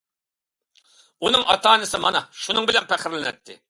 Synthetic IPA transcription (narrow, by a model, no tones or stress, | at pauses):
unɨŋʔɑ̰t̪ɑːnɨsɪmɑ̰nɑʃunɨŋbɪlɛnpʰæχɪɾlɪnɛt̪ːɪ̰